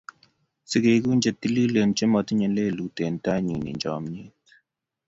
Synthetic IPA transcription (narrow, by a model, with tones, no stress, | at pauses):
sɨ˨ɡe˨ɡu˦nd͡ʒə˨t̪i˦li˦lə˨nt͡ʃə˦mɔ˨t̪ɲə˨le˦˨lu˨te˨nta˦ɲi˨nḭ˨ɲd͡ʒɔ̰˨mɲi˦t̪